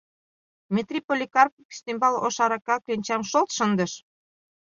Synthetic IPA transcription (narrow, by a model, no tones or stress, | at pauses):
d̪mʲet̪rʲipolʲikɑrpksʲt̪imbɑloʃɑɾɑkɑklʲinʲt͡ɕɑmʃolt̪ʃənd̪ə̆ʃ